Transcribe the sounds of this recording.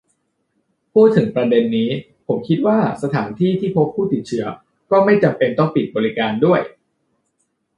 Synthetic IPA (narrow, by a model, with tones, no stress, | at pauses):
pʰuː˥˩t̪ʰːɯ˨˩˦ŋpɾa˧de˧nːiː˦˥ | pʰo˩˦mkʰi˦˥t̪̚waː˥˩sa˧t̪ʰa̰ː˩˦nt̪ʰiː˥˩t̪ʰiː˥˩pʰo˦˥pʰːuː˥˩t̪i˨˩t̪̚t͡ɕʰɯ˦˥ɐ | kɔː˥˩ma˥˩jt͡ɕa˧mpe˧nt̪ɔ˥˩ŋpi˨˩t̪̚bɔː˧ɾi˦kaː˧ndu˥˩əj